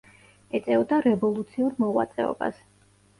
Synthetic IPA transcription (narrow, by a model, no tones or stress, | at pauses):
ɛt̪sʼɛɔd̪aɾɛvɔlˠut̪sʰiuɾmɔʁwa̰t̪sʼɛɔ̰ba̰s